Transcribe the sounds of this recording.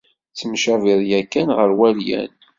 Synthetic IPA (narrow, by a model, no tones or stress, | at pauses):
t͡sːəmʃæviðˤjækːænʁəɾwæljæ̰n